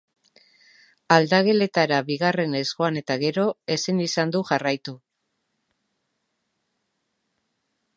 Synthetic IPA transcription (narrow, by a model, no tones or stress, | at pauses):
ald̪aɣe̞le̞t̪aɾaβiɣ̞are̞ne̞zɣo̞ane̞t̪aɣ̞e̞ɾo̞e̞sinisand̪uʝarajt̪u